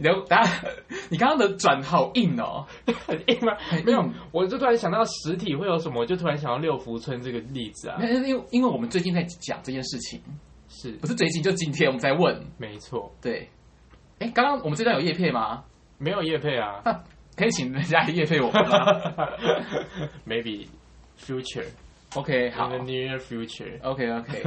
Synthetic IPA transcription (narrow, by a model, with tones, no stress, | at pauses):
i˨˩ə˥t̪a˥˩a˥˩ni˨˩kɑ˥ŋkɑ˥ŋd̪ə˨ʈ͡ʂwa˨˩nxɑ˨˩ʊʔi˥˩nə̰˩ | i˥ma˧˩me˥˦jo˨˩wɔ˨˩t͡ɕo˥˩t̪ʰa˧˦nɕɑ˨ŋt̪ɑ˥˩ʂɻ̩˧˥t̪ʰi˨xwe˥˩ɪjo˧˥ʊʂə˧˦mə˦wɔ˨˩t͡ɕo˥˧ʊt̪ʰu˥a˧˦nɕɑ˨ŋt̪ɑ˥˧ljo˥˨˩ʊfu˧˥t͡sʰwə˦nʈ͡ʂɤ˥˩ɡə˩li˥˩d͡zɹ̩˨ɐ̰˨˥˦wi˥nwe˥˩wɔ˨˩mə˦t͡se˥˧ɪt͡ɕi˥˧nt͡sa˥˩ɪt͡ɕjɑ̰˨˩ŋʈ͡ʂɤ˥˧t͡ɕjɛ˥˧nʂɻ̩˥˩t͡ɕʰḭ˨˦ŋ | ʂɻ̩˥˩pu˥ʂ̩˥˩we˧˥t͡ɕi˥˩t͡ɕo˥˧ʊ˥t͡ɕi˦nt̪ʰjɛ˥nwmə˦nt͡sa˥˧ɪwə˥˨nme˧˦ɪt͡sʰwɔ˥˩t̪we˥˩ɪ | e˥˩ɪkɑ˥ŋkɑ˥ŋwɔ˨˩mə˦t͡sə˥˧t̪wjo˨˩jpʰje˥˩ma˩ | me˧˥ɪjo˨˩ʊjɛ˥˧pʰe˥˩ɪa˨˩na˥˩ | kʰə˧˥i˨˩t͡ɕʰi˨˩ŋ˨˥˩nt͡ɕja˥i˨˩jɛ˥˧pʰe˥˩ɪwɔ˨˩˨ma˦ | me˧˥ɪbḭ˨ | fju˦˥t͡ʃə̰˨ | ʔo˧kʰe˧˥ɪxɑ˨˦˥ə˨ni˧˥ə˧fju˥t͡ʃə̰˞˨ʔo˧ʊkʰe˧˥ɪo˧ʊkʰe˥ɪ